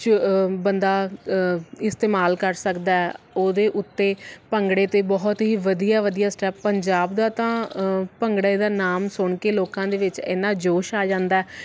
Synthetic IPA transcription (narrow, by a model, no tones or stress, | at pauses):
t͡ʃbənd̪aː | ɪst̪eːmaːlkəɾsəkd̪aːɛ | oːd̪eːʔʊt̪ːeːpəŋɡɽeːt̪eːbɔːt̪ɦiːʋəd̪ijaːʋəd̪ijaːsʈɛːpːəɲd͡ʒaːbd̪aːt̪ãːpəŋɡɽaed̪aːnaːmsʊɳkeːloːkãːd̪eːʋɪt͡ʃḛːnãːd͡ʒoːʃaːd͡ʒãːnd̪aːɛː